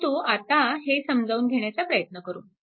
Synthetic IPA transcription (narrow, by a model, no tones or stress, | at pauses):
t̪uːat̪aɦesəmd͡zʱauːnɡʱeɳ̃jat͡sapɾəjət̪nəkəɾuːn